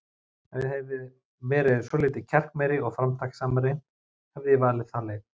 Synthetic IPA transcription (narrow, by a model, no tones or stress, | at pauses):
ɛhɛvɪ | vɛːɾɪðsɔːlɪːt̪ɪcʰɛr̥kmɛjɾɪɔɣfɾamt̪ʰaksaːmaɾɪ | hɛvðɪjɛvaːlɪðθaːlɛ